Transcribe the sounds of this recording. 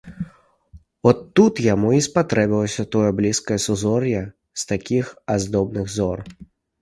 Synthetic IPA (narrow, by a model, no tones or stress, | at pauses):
ɔt̪ːut̪jamuispat̪ɾɛbʲilˠɐsʲɐt̪ɔjɐblʲiskɐjɐsuzɔrjɐ | st̪akʲixazd̪ɔbnɨɣzɔr